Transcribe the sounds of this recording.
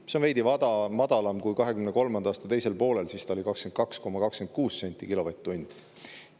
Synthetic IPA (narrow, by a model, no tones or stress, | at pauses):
seonve̞jd̪ivɑd̪ɑmɑd̪̥ɑlɑmkujkɑɦe̞kymnko̞lmɑnd̪ɑːst̪ɑt̪e̞jse̞lpo̞ːle̞lsist̪ɑolikɑkske̞nkɑksko̞mɑkɑkske̞nt̪̚kuːsːe̞nʲt̪ʲːˑikilo̞vet̪ːunʲd̪̥